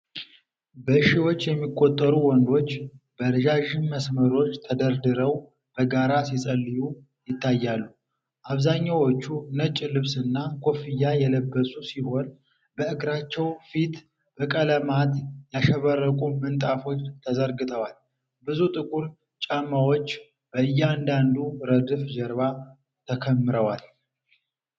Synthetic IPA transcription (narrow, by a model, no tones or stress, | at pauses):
bəʃiwo̞t͡ʃːjɛmːikʼːo̞t̪ʼːəɾuwɔnd̪o̞t͡ʃːbəɾʒaʒɪnməsməɾo̞t͡ʃːt̪ʰəd̪əɾd̪ɨɾəw | b̥əɡaɾasisʼəlːiju | jɪt̪ʰːajːalːu | ʔaβzaɲːawot͡ʃːunət͡ʃʼːlɨβsɨnːakʰo̞fɨjːajɛləbːəsusiho̞n | bəʔɨɡɾat͡ʃːɛwfit̪ | b̥əkʼələmat̪jaʃəβərːəkʼumɨnt̪ʼafo̞t͡ʃːt̪ʰəzəɾɡɨt̪ʰəwal | bɨzut̪ʼɨkʼuɾ | t͡ʃʼamːawo̞t͡ʃː | b̥əɨjːɛand̪and̪uɾəd̪ɨfd͡ʒɛɾβa | t̪ʰəkʰəmːɨɾəwal